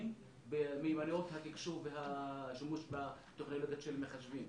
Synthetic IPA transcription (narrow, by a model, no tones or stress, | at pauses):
m | bemejmaniot̪hat̪ikʃuʁveɦaʃimuʃba | t̪eχnoloɡjaʃelmeχaʃvim